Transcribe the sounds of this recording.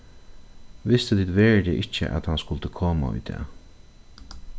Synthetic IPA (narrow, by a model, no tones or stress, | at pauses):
ʋɪst̪ət̪ʰiːt̪ʋɛːɹd̪əʔɪt͡ʃːə̰ʔa̰t̪hanskʊlt̪əkʰoːma̰ʊ̰jd̪ɛ̰ː